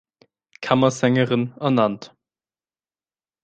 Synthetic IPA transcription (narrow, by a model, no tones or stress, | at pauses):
kʰamɐzɛŋəʁɪnɛɐnant